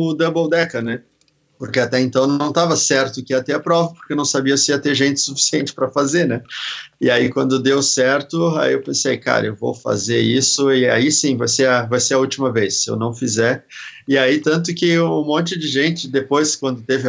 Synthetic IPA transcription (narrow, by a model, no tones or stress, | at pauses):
ʊd̪ɐbowd̪ɛkɐnɛ | poɾkeat̪ɛẽnt̪ɐ̃nɐ̃w̃t̪avɐsɛɾt̪ʊkɪiɐt̪eɐpɾɔvɐpoɾkenɐ̃w̃sabiɐsɪiɐt̪eɾʒẽnt͡ʃɪ̥sufi̥siẽt͡ʃɪ̥pɾɐfazeɾnɛɪaikwɐ̃nd̪ʊd̪ewsɛɾt̪ʊa̰iewpẽsejka̰ɾɐ̰ewvo̰wfa̰zeɾisʊɪa̰isĩvajseɐvajseɾɐut͡ʃimɐvesːɪḛwnɐ̃w̃fizɛɾɪait̪ɐ̃nt̪̬ʊkɪũmõnt͡ʃɪd͡ʒɪʒẽnt͡ʃɪd̪epojskwɐ̃nd̪ʊt̪evɪ